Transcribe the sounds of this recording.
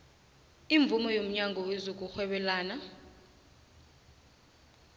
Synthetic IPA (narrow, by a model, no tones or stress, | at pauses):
iɱb̪vumɔjom̩ɲaŋɡʱɔwezok̬ʼuxwɛɓɛlaːna